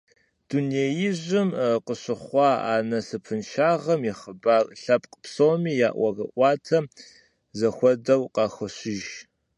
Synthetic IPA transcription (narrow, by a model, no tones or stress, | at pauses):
d̥uneːjɪʑʷɪmqəɕɪχʷɑːa̰ːnɐsɨpʰɨnʃaːʁɐmjɪχəbaːrɬɐpʼqpsowmiːja̰ːʔʷɐɣɐʔʷɑːtʰɐm | zɐxʷɔdɐwqɑːxʷɐɕɪʒ